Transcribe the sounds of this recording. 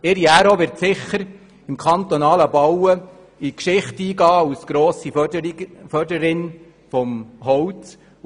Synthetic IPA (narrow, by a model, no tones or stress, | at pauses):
ɪɾiæɾoʋɪɾtsɪχːəɾ | ɪmkʰɑnt̪ɔnɑːləbɑwə | ikʃɪχtiːɡɑːusɡ̥ɾoːsi | fœrdəɾɪn | fɔmɦɔwt͡s